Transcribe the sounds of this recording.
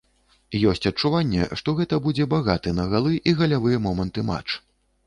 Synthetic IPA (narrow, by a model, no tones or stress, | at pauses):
jɔsʲt͡sʲɐt͡ʂːuvanʲːɛ̰ʂt̪ɔɣɛt̪ɐbud͡zʲɛbaɣat̪ɨnɐɣalˠɨʔiɣɐlʲavɨjɛmɔmɐnt̪ɨma̰t͡ʂ